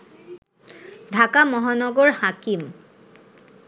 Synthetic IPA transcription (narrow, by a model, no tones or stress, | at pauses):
dʱakamɔɦanɔɡɔɹhakim